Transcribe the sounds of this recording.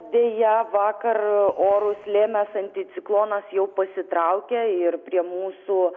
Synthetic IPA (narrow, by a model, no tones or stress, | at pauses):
d̪ʲeːjɛʋɑːkɐroːɾʊslʲeːmʲɛsɐnʲt̪ʲɪt̪sʲɪklˠoːnɐsjɛʊpɐsʲɪt̪ɾɐʊkʲeɪrpʲɾʲiɛmuːsuː